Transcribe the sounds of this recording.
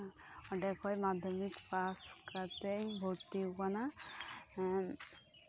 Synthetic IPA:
ɔɖɛkʰɔjmad̪ʱjɔmikpaskat̪ejbʱot̪ikana

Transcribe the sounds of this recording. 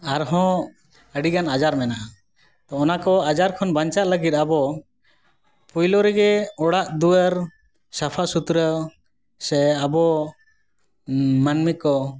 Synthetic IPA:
aɾɦɔ̃ | əɖiɡanad͡ʒaɾmɛnaʔ | t̪ɔːnakɔad͡ʒaɾkʰɔnbaɲt͡ʃaʔləɡit̪̚abɔ | pujlɔɾɛɡɛɔɽaʔd̪uəɾ | sapʰasut̪ɾə | sɛabɔ | manmikːɔ

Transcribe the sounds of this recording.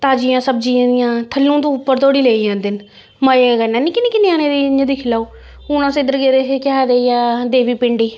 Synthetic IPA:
t̪aːd͡ʒɪjãːsəb̚d͡ʒiãːd̪ɪjãːt̪ʰəlːũːt̪ũːʊpːəɾt̪oːɽiːleːijãːd̪ɪn | məeɡənãːnĩːkɪniːkɪneːaːnẽːd̪iːɲd͡ʒə̃ːd̪iːkʰɪlaːuː | unãːsed̪əɾɡeːɾeekɪaːd̪eːijãːd̪eːʋiːpɪɳɖiː

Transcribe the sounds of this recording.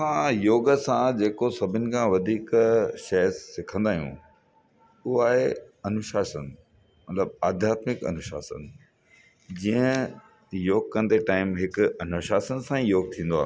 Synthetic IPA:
sãjoːɡəsãd͡ʑeːkosɐbʱɪnɪ̆kʰãːʋɐd̪ʱiːkʃɐsɪkʰə̃nd̪aːɦijṵ̃ | ʊɦaːɦeɐnʊʃaːsən | mɐt̪ləb̚aːd̪ʱjaːt̪mɪkɐ̰nʊʃa̰ːsə̰n | d͡ʑiːə̃ | joːɡ̚kɐ̃n̆d̪eʈaːɪmɦɪkʊɐnʊʃaːsənsãĩjoːɡ̚t̪ʰĩːnd̪oa̰ː

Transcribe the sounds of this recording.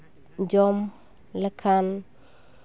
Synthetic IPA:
d͡ʒɔm | lakʰan

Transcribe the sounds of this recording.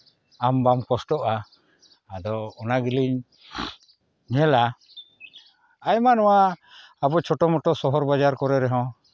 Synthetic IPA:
ambamkɔsʈɔʔaː | d̪ɔːnaɡiliɲ | ɲɛla | ajmanɔwaabɔt͡ʃʰɔʈɔmɔʈɔʔsɔɦɔɾbad͡ʒaɾkɔɾɛɾɛɦɔ̃

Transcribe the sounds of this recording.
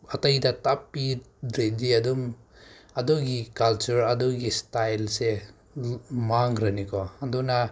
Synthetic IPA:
ɐtɐjdɐtapːi | ɾediɐdum | ɐduɡikalt͡ʃuɾɐduɡistajlse | maŋɾɐnikʰɔhanduna

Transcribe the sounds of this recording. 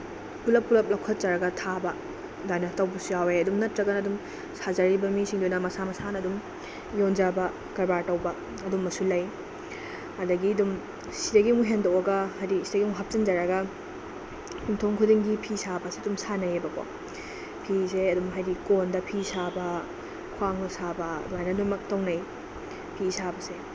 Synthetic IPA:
pulɐpːulɐp̚lɐwkʰɐt̚d͡ʒɐɾɐɡɐtʰabɐ | dajnɐtɐwbusujaweɐdumnɐtɾɐɡɐnɐːdum | sazɐɾibɐmisiŋdunɐmɐsamɐsanɐdum | jond͡ʒɐbɐ | kɐɾbaɾtɐwbɐ | ɐdumːɐsulɐj | hɐdɐɡiɐdum | sidɐɡimuɦendɐwɐɡɐhajdisidɐɡiŋuɦɐp̚t͡ʃɐnd͡ʒaɾɐɡɐ | hiŋtʰoŋkʰudiŋɡipʰisabɐseɐdumsanɐjebɐko̰ | pʰiseɐdumɦajdikondɐpʰisabɐ | kʰuaŋɐsabɐ̰duajnɐdumɐk̚tɐwnaj | pʰisabɐse

